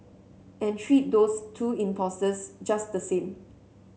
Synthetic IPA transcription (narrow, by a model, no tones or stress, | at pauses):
ɛ̃ntʰɹit̚dostʰuĩmpʰɔstəsd͡ʒasdəsẽm